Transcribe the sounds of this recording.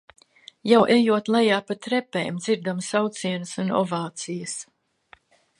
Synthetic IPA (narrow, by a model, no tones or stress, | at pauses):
jawʔejuɔt̪lˠajaːpat̪ɾɛpɛ̰jmd̪z̥iɾd̪amsawt̪siɛnɨsunɔ̰vaːt̪sijəs